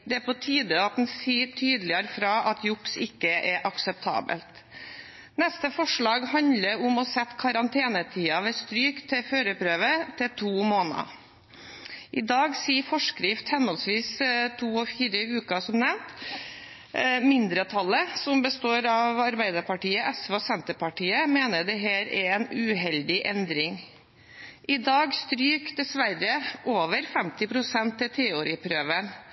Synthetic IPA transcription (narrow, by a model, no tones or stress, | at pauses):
d̪ɛæpɔt̪ʰiːd̪əɑt̪̚d̪n̩siːʈʰyːd̪lɪəɾfɾɑːʔɑt̪ʰjʊksɪkːəʔɛʔɑksəp̚t̪ʰɑ̰ːbə̰lt̪ | nɛst̪əfɔʂɭɑːɡhɑnləɾʊmɔsɛt̪ːkʰɑɾɑnt̪ʰeːnət̪ʰiːɑʋɛːst̪ɾyːkt̪ʰːɪføːɾəpɾøːʋət̪ʰɪlt̪ʰuːmoːnɑ̰ | ʔɪd̪ɑːɡsiːfɔʂkɾɪft̪hɛnɔlsʋiːst̪ʰuːɔfiːɾəʉːkɑsɔmnɛʋnt̪ | mɪnd̪ɾət̪ʰɑlːəsɔmbəst̪oːɾɑʋɑɾbæɪd̪ɑɾpɑʈiːəʔɛsʋɔsɛnt̪əpɑʈiːəmeːnəd̪ɛɦæːɾɛɛnʉɦɛld̪ɪʔɛnd̪ɾɪŋ | ʔɪd̪ɑːɡst̪ɾyːkd̪ɛsʋæɾːəʔoːʋəɾfɛmt̪ɪpʰɾʊsɛnt̪ʰːɪt̪ʰɛːʊɾɪpʰɾøːʋən